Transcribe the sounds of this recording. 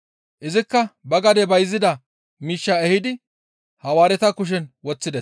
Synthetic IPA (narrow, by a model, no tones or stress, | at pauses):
ʔɪzɪkːɐbɐɡɐd̪ɛbɐjzːɪd̪ɐ | miːʃːaɛhɪd̪ɪ | hɐwaːɾɛt̪ɐkʊʃ̬ɛnwɔt͡sːɪd̪ɛs